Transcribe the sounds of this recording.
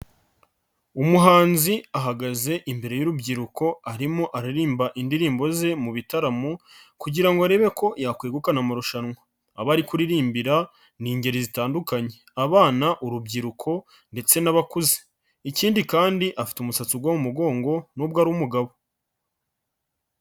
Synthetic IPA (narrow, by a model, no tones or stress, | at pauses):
umuɦaːnziaɦaɡaze̞ʔimbe̞ɾe̞juɾubɟiɾuko̞aɾimoʔaɾiɾiːmbaʔindiɾiːmbo̞ze̞muβitaɾamukuɟiɾaŋɡoaɾe̞ːβe̞ko̞jaːkweːɡukanamaɾuʃanŋaː | βaɾikuɾiɾiːmbiɾa | niːɲɟe̞ɾizitaːndukaɲe̞ | aβaːnaʔuɾubɟiɾukʰo̞ | nde̞t͡se̞naβakuze̥ | iciːndikaːndiʔafi̥tumusat͡suɡwomumuɡo̞ːŋɡo̞nubɡaːɾuumuɡaβo̞